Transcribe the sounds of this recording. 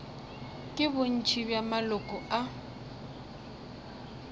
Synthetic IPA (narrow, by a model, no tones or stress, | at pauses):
kʼɪbʊn̩t͡ʃʰʼibjamalɔkʼɔa